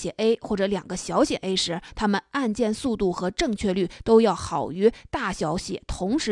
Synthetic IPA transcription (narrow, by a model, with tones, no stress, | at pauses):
jɛ˨˩ʔe˥ɪxwɔ˥˩ʈ͡ʂɤ˧˩˥ljɑ˨˩ŋɡə˦ɕjɑ˧˥ʊɕjɛ˨˩ʔe˥ɪʂɻ̩˧˥t̪ʰa˥mə˨na˥˧nt͡ɕjɛ˥˧nsu˥˧t̪u˥˩xɤ˧˥ʈ͡ʂɤ˥˧ŋt͡ɕʰɥɛ˥˧ly˥˩t̪o˥ʊjɑ˥˩ʊxɑ˨˩ʊy˧˥t̪a˥˩ɕjɑ˧˥ʊɕjɛ̰˨˩˦t̪ʰʊ˧˥ŋʂɻ̩˧